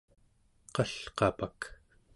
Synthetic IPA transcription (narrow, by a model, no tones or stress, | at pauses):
qʌɬqɑpak